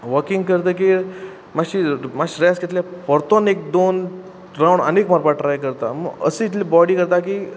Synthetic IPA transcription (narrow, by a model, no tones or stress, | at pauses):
ʋəɾkiŋɡkəɾt̪ek̬i | maɕimaɕɾjasɡet̪ljapəɾt̪ɔnek̚d̪on | ɾawɳə̰nekmɔɾpaʈɾajkəɾt̪aməɡə̰sə̃it̪libɔɽiːkəɾt̪akiː